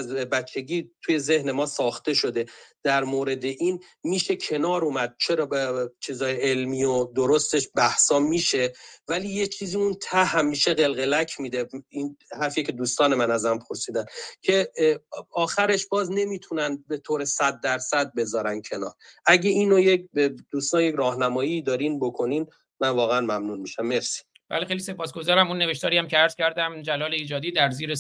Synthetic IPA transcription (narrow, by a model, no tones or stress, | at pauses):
zbæt͡ʃʰːe̞ɡiːt̪ʰuje̞ze̞hne̞mɒːsɒːxt̪e̞ʃo̞d̪e̞d̪̥æɾmoːɾe̞d̪e̞ʔiːn | miːʃe̞cʰe̞nɒːɾuːmæd̪̥̚t͡ʃʰe̞ɾɒːt͡ʃʰiːzɒːjeelmiːod̪oɾost̪e̞ʃbæhsɒːmiːʃe̞væliːjet͡ʃʰiːziunt̪ʰæhæmːiːʃeɣe̞lɣe̞læcʰmiːd̪einhæɾfijecʰe̞d̪uːst̪ɒːnemænæzmæmpʰoɾsiːd̪æncʰe̞ | ɒːxæɾe̞ʃbɒːzne̞miːt̪ʰunænbe̞t̪ʰoːɾe̞sæd̪ːæɾsæd̪̚be̞zɒːɾæncʰe̞nɒ̰ːɾʔæɟeʔiːnojek̚bed̪̥uːst̪ɒnje̞cɾɒːhnæmɒːjiːd̪ɒːɾinbo̞kʰo̞niːn | mænvɒːɣeænmæmnuːnmiʃæmːe̞fsi̥ | b̥æ̰lixelise̞pʰɒːsɡo̞zɒːɾæmunːeveʃt̪ɒːɾiæmcʰeæɾz̥cʲʰæɾd̪æmd͡ʒælɒːleiːd͡ʒɒːd̪iːd̪æɾziːɾe